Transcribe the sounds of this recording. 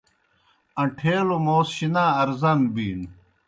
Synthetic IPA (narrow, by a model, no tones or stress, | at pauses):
ɐ̃ʈʰeːlumoːsɕinaːɐɾzɐnbiːn